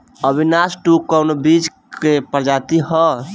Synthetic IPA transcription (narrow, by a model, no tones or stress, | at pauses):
əbʱinasʈukəwnobid͡ʒ | kepəɾd͡ʒat̪ihɔ